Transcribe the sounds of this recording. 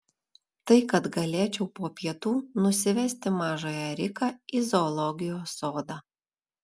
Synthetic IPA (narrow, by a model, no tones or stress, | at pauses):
t̪ɐɪkɐt̪ɡɐlʲeːt͡ʃʲɛʊpoːpʲiɛt̪uːnʊsʲɪʋʲɛsʲt̪ʲɪmɑːʒoːjɛɾʲɪkɑːizoːlˠɔɡʲɪjoːsoːd̪ɑː